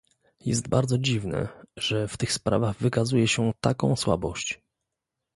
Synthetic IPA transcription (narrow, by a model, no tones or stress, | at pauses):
jɛ̰st̪baɾd̪zɔd͡ʑivnɛ̰ʐ̥ɛft̪ɘxspɾa̰vaɣvɘkazujɛɕɛt̪akɔ̃w̃swa̰bɔɕt͡ɕ